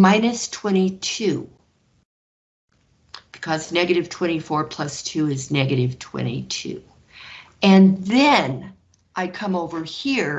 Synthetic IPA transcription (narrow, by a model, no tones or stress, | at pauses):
mãɪ̃nɨstʰw̥ɛ̃ɾ̃itʰʉ | b̥ɨ̥kʰʌznɛɡɨɾɨv̥tʰw̥ɛ̃ɾ̃ifɔɹpʰl̥ʌstʰʉɪznɛɡɨɾɨv̥tʰw̥ɛ̰̃ɾ̃ḭtʰʉ̰ | ɨ̃nðɨ̃n | ʔaɪkʰʌ̃moʊvə˞hiɹ